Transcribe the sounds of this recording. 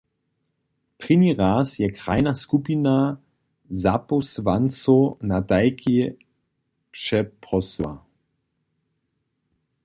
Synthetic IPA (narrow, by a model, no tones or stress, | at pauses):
pʁiniʁaːsjɛkʁa̰jnaskupina | zaposvant͡sonadajkʰi | pʃɛpʁɔswa̰